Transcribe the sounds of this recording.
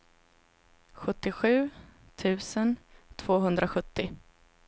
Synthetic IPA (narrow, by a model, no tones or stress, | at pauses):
ɧɵt̪ːɪɧʉ̟ː | t̪ʰʉ̟ːsənt̪ʰv̥oːɦɵnd̪ɾaɧɵt̪ːɪ